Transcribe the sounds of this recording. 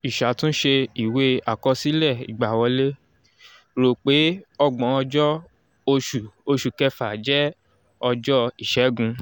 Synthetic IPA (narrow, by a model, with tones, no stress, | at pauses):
i˨ʃa˨tũ˦ʃe˧i˨we˦a˨kɔ˧si˨˦lɛ˦˨ḭ˨ɡ͡ba˨wɔ˧le˦ | ɾo˨k͡pe˨˦ɔ˧ɡ͡bɔ̃˨˧˦ɔ˧d͡ʒɔ˦ | o˧ʃu˨o˧ʃu˨kɛ˧fa˨d͡ʒɛ˦ | ɔ˧d͡ʒɔ˦i˦˨ʃɛ˨˦ɡũ˧